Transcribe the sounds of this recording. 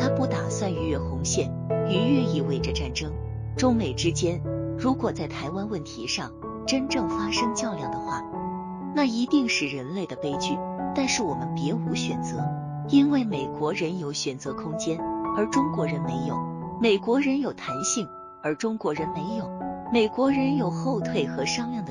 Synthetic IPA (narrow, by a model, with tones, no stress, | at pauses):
t̪ʰa˥pu˥˩t̪a˨˩swa˥˩ny˧˥ɥɛ˥˩xʊ˧˥ŋɕjɛ˥˩n | y˧˥ɥɛ˥˧i˥˩we˧˥˩ɪʈ͡ʂə˧ʈ͡ʂa˥˩nʈ͡ʂɤ˥ŋ | ʈ͡ʂʊ˥ŋme˨˩ɪʈ͡ʂɻ̩˥t͡ɕjɛ˥nɻu˧˥kwɔ˨˩t͡sa˥˩ɪt̪ʰa˧˥ɪwa˥nwə˥˩nt̪ʰi˧˥ʂɑ˥˩ŋ | ʈ͡ʂə˥nʈ͡ʂɤ˥˩ŋfa˥ʂɤ˥ŋt͡ɕjɑ˥˧ʊljɑ˥˩ŋd̪ə˩˦xwa̰˥˩ | na˥˩i˧˥t̪i˥˧ŋʂɻ̩˥˩ɻə˧˥nle˥˩ɪd̪ə˩pe˥ɪt͡ɕy˥˩t̪a˥˧nʂɻ̩˥˩wɔ˨˩mə˦npjɛ˧˥u˧˥ɕɥɛ˨˩nt͡sɤ˧˥ | i˥nwe˥˩ɪme˨˩ɪkwɔ˧˥ɻə˧˥njo˧˥ʊɕɥɛ˨˩nt͡sɤ˧˥kʰʊ˥ŋt͡ɕjɛ˥nə˞˧˥ʈ͡ʂʊ˥ŋkwɔ˧˥ɻə˧˥nme˧˥ɪjo˨˩˦ʊme˨˩ɪkwɔ˧˥ɻə˧˥njo˨˩ʊt̪ʰa˧˥nɕi˥˩ŋ | ə˞˧˥ʈ͡ʂʊ˥ŋkwɔ˧˥ɻə˧˥nme˧˥ɪjo˨˩˦ʊme˨˩ɪkwɔ˧˥ɻə˧˥njo˨˩ʊxo˥˧ʊt̪ʰwe˥˩ɪxɤ˧˥ʂɑ˥ŋljɑ˥˩ŋd̪ə˩